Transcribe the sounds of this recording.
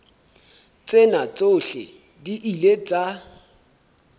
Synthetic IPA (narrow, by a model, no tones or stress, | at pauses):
t͡sʼenat͡sʼoɬɪ̰ | diʔilet͡sʼa